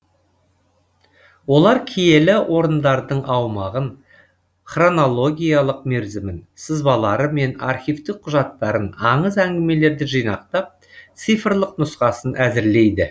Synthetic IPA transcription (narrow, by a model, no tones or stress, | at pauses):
wo̞lˠɑɾkʲʰije̞lɪwʔo̞ɾənd̪ɑɾd̪əɴɑwmɑʁən | χro̞no̞lˠo̞ɡʲijɑlˠəq̚meɾzɪmɪnsəzbɑlˠɑɾəme̞nɑ̰rχʲijvt̪ɪk̚qʰːʊʒɑt̪ːɑɾənɑɴəzæŋɡʲɪme̞le̞ɾd̪ɪʒijnɑq̚t̪ɑp̚ | t̪sijfrlˠəqnʊsqɑsənʔæzɪɾle̞jd̪ɪ